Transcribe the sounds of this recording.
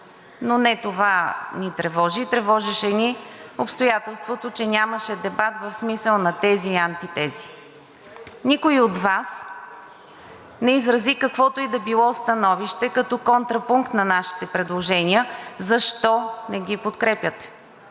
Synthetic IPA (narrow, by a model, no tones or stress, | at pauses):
nonɛt̪ovanit̪ɾɛvɔʒiːt̪ɾɛvɔʒɛʃɛniopst̪ojat̪ɛlˠst̪vot̪ot͡ʃɛnʲaməʃɛd̪ɛbat̪vɐfsmisəlˠnɐt̪ɛziɐnt̪it̪ɛzi̥ | nikoiod̪vas | nɛizɾɐzikɐkvɔt̪oid̪ɐbilˠɔst̪ɐnɔviʃt̪ɛkɐt̪ɔkont̪ɾɐpuŋkt̪nɐnaʃi̥t̪ɛpɾɛd̪lˠoʒɛniəzɐʃt̪ɔnɛɡipot̪kɾɛpjət̪ɛ̥